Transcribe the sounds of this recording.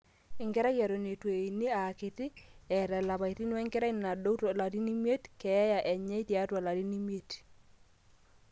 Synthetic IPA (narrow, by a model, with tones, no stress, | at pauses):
ɪ˨ŋɡɛ˦ɾa˦ja˨ɾo˨ne˨twe˨i˨ni˦a˨kɪ˨tɪ˦ɛ˨ɾɛ˨la˨βa˨i˨ti˦n˦wɛ˦ŋkɛ˦ɾa˦i˦n˨na˨do˦ta˨la˨ɾi˦ni˦mje˦tkɛ˨˦ja˨ʔɛ˨ɲɛ˦i˦ti˨a˦twa˨la˨ɾi˦ni˦mje˦t